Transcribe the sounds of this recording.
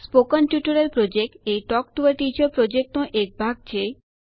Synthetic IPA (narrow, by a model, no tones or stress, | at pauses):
spokanpjuʈoɾelpɾod͡ʑek̚ʈejʈɔk̚ʈuaɾʈit͡ɕoɾpɾod͡ʑek̚ʈõʔek̚bʱaɡ̚t͡ɕe